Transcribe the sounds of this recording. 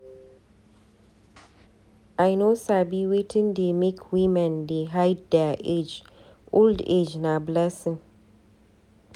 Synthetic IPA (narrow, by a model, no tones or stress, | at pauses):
ajnosabiwetʰɪ̃ndemikʰwimɛ̃ndeɦaɪdɛʔed͡ʒ | ʔoldḛd͡ʒnablɛsɪ̃n